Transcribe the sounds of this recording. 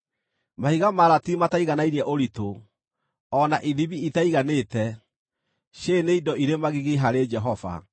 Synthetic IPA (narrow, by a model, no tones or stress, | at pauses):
mahiɣamaɾatimataiɣanainiɛʔoɾito | ɔnaʔiðiβiitaiɣanetɛ | ɕeneidɔiɾemaɣiɣiɦaɾed͡ʒɛɦɔva̰